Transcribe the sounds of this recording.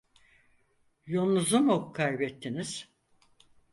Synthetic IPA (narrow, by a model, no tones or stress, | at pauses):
jolˠnuzumukʰajbɛt̪ʰːiniz̥